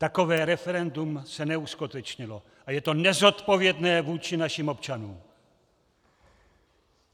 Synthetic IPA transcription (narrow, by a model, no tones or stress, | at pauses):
t̪ako̞vɛːɾɛfɛɾɛndumsɛnɛuskut̪ɛt͡ʃɲɪlo̞ | ʔajɛt̪o̞nɛzo̞t̪po̞vjɛdnɛːvuːt͡ʃɪnaʃimo̞pt͡ʃanuːm